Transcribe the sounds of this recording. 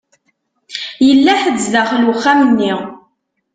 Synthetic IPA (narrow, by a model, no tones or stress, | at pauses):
jəlːæħəzːlæχluχːæmənːi